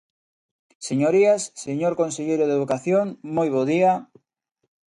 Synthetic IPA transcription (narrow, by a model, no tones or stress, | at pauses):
seɲoɾiasːeɲoɾkonseʎejɾoðeðukaθjoŋmojβ̞oðia